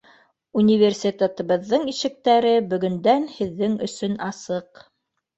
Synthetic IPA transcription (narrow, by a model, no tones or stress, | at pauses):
unʲivʲersʲit̪ʲet̪ɤ̆βɤ̆ðːɤɴiʃɘ̆k̚t̪æɾɘbɵ̆ɡɵ̆nd̪ænhɘ̆ðːɘŋɵ̰̆sɵnɑsɤq